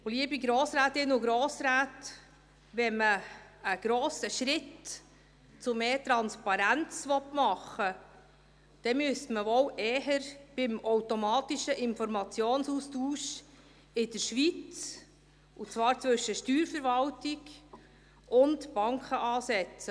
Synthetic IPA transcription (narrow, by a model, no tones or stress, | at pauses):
oliəbiɡɾoːsɾæːtɪnʊɡɾoːsɾæːt | ʋɛməəɡ̥ɾoːsəʃɾɪt | t͡sʊmeːtɾɑnspɑɾænt͡sʋɔtmɑχə | d̥ɛmyəstməvɔwʔɛːɦəɾb̥ɪmɔwtɔmɑːtiʃəʔɪnfɔɾmɑt͡sjoːnsustuːʃ | ɪdəʃʋit͡s | ʊt͡svɑːɾt͡svɵʃəʃtyːɾfəɾvɑltɪɡ | ʊntb̥ɑŋkʰχəʔɑːsɛt͡sə